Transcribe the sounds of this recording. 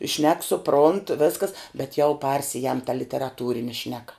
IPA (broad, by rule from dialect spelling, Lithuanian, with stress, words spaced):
ʃʲnʲɛk sʊˈproːnt ˈʋʲæːskɐs bʲɛt jɛʊ ˈpɐrʲsʲɪjɛm tɐ lʲɪtʲɛrɐˈtuːrʲɪnʲɪ ˈʃʲnʲæːkɐ